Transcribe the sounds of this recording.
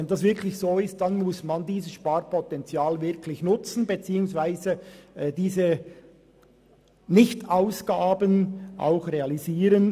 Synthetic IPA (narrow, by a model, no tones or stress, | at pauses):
ɛndɑsv̥ɪɾkʰlɪçsoːɪst̚d̥anmʊsmandiːzəsʃpaːɾpɔtɛnt͡sjaːlvɪʁkʰlɪçnʊt͡sn̩bet͡siːʊŋsvaɪzəd̥iːzə | nɪçtaʊsɡ̥aːbənʔa̰ʊxreɑliziːɾən